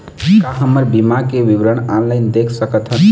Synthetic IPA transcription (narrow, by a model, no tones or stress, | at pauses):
kaɦəməɾbimakeʋiwɾəɳanlaɪnd̪ekʰsəkət̪ʰɦə